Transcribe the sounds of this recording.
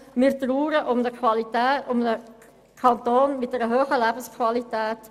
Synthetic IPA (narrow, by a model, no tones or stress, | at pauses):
mɪːɾt̪ɾuːɾəʔʊmdəkʰvɑlitɛːtʊmdə | kʰɑnt̪oːnmɪt̚dɛɾəɦøːχəlæbn̩skʰvɑlitɛːt